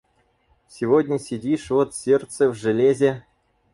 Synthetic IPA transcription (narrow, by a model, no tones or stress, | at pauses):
sʲɪvodʲnʲəsʲɪdʲiʂvot̪sʲert̪səvʲʐɨlʲezʲe